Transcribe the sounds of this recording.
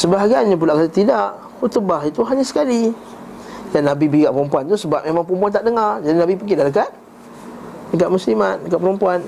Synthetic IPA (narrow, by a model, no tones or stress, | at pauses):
səbaɦaɡiaɲap̬ulaʔkaat̪idaʔ | hut̪əbahit̪uɦaɲasə̥kali | janːabibikaʔpəɾumpuant̪usəbap̚memãŋpəɾump̬uant̪aʔdəŋard͡ʒadinabipəkidalək̬at̪̚ | dək̬at̪̚muslimat̪̚dəkaʔ̚pəɾumpuan